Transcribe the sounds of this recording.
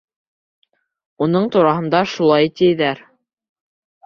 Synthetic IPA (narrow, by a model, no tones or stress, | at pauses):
unɤɴt̪uɾɑɦɤ̆nd̪ɑʃulˠɑjt̪ɘ̆jðæɾ